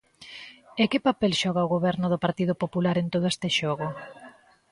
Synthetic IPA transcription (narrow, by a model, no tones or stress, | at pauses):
ekɪpapɛlʃɔɣ̞aʊɣoβɛɾnʊðʊpaɾt̪iðʊpopulaɾent̪oð̞ʊest̪ɪʃɔɣʊ